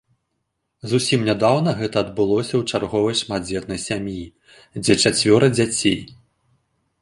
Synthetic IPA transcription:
zusʲimnʲad̪awnɐɣɛt̪ɐːd̪bɨlˠɔsʲɐwt͡ʂarɣɔvɐjʂmad̪̚d͡zʲɛt̪nɐjsʲamʲji | d͡zʲɛt͡ʂat͡sʲvʲɔɾɐd͡zʲat͡sʲej

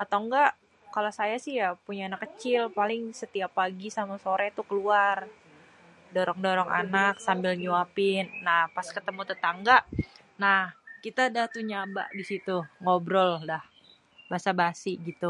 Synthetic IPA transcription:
at̪aŋɡaʔ | kalosajasɪhjapuɲaanakːət͡ʃɪlpalɪŋsət̪iapːaɡisamasoɾɛt̪ukəluar | doɾɔŋdoɾɔŋa̰naksambɪlɲuapɪnːahpaskət̪əmut̪ət̪aŋɡaʔ | nahkit̪adaht̪uɲaba̰ʔdisit̪uŋobɾɔldah | basabasiɡit̪u

